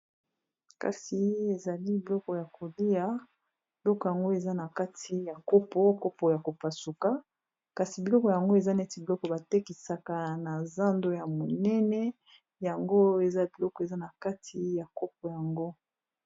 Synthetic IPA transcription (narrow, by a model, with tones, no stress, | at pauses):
ka̰˨si˨e˨za˨li˦bi˨lɔ˦kɔ˨ja˨kʰo˨li˦ja˦ | bi˨lɔ˦kɔ˨ja˨ŋɡo˦e˨za˦na˨ka˦tʰi˨ja˨ko˦pɔ˦ko˦pɔ˨ja˨ko˨pa˨su˨ka˦ | ka˨si˨bi˨lɔ˦kɔ˨ja˨ŋɡo˦e˨za˦nɛ˦ti˨˦bi˨lɔ˦kɔ˨ba˨te˦ki˨sa˨ka˨na˨za˦ndo˦ja˨mo˨nɛ˦nɛ˦ | ja˨ŋɡo˦e˨za˦bi˨lɔ˦kɔ˨e˨za˦na˨ka˦tʰi˨ja˨ko˦p̚ɔ˨ja˨ŋɡo˦